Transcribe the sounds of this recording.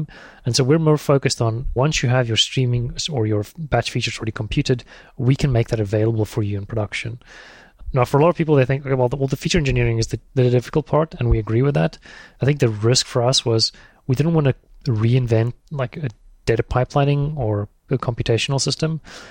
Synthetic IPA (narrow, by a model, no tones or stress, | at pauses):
ɨ̃nsoʊwɪɹmɔɹfoʊkɨstn̩wʌ̃nsjɨəvjə˞stɹ̥ĩmɪ̃ŋə˞jə˞bæt͡ʃfit͡ʃə˞zl̩ˠɹɛɾikʰm̩pʰj̥ʉɾɨd | wikʰɨ̃nmeɪk̚ðɨɾɨveɪlˠəbl̩ˠfə˞jɨɨ̃npʰɹ̥ədʌkʃɨ̃n | naʊfə˞əlɑɾʌv̥pipl̩ˠðeɪθɪ̃ŋkoʊkʰewɛlˠðwɛlˠðəfit͡ʃə˞ɛ̃nd͡ʒɨnɪɹɪ̃ŋɨzðɨðɨdɪfɨ̥kl̩ˠt̚pʰɑɹɾɨ̃nwiɨɡɹiwɨðætaɪθɪ̃ŋk̚ðɨɹɪskfə˞ʌswʌz | widɪdⁿn̩ʔwɑ̃nɨ | ɹiɨ̃ɱvɛ̃ntlaɪkɨd̥eɪɾɨpʰaɪplãɪ̃nɪ̃ŋə˞ | ɨkʰɑ̃mpjɨtʰeɪʃnl̩ˠsɪstə̃m